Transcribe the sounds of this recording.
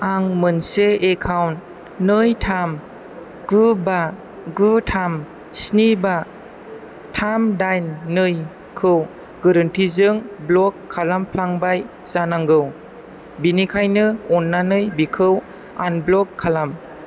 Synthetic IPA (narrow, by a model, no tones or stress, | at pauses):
aŋmɯnseekʰawntː | ɯjtʰam | ɡ̥ɯba | ɡɯtʰam | sniba | tʰamdajnːɯj | kʰɯw | ɡɯɾɯntʰizɯŋblɔkʰːalampʰlaŋbaj | zanaŋɡɯw | binikʰajnɯɔnːanɯjbikʰɯw | a̰nblɔkʰːalam